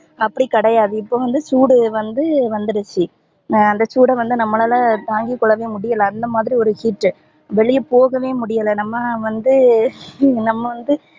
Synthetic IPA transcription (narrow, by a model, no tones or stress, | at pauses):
ɐpːɐɽikɐɽɐjaːðɯɪpːoːʋɐnd̪ɯsuːɽɯʋɐnd̪ɯʋɐnd̪ɯɾɯt͡ʃːi | ɐnd̪ɐsuːɽɐʋɐnd̪ɯnɐmːɐlɐlãːt̪aːŋɡikːɔɭːɐʋeːmʊɽɪjɐlɐ̃ɐnd̪ɐmaːðɪɾiɔɾɯhiːʈːɯ | ʋɛɭɪjɐpoːɣɐʋeːmʊɽɪjɐlɐnɐmːɐʋɐnd̪ɯ | nɐmːɐʋɐnd̪ɯ